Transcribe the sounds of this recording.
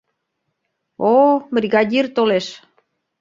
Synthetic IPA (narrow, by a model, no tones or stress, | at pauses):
obrʲiɣɑd̪ʲirt̪oleʃ